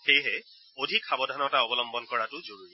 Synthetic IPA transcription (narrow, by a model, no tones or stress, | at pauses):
xejɦɛ | odʱikxabɔdʱanɔtaɔbɔlɔmbɔnkɔɹatʊzoɹuɹiɛ